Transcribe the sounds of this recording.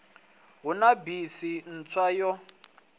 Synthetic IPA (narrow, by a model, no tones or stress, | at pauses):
ɦunabisin̩t͡sʰwajɔ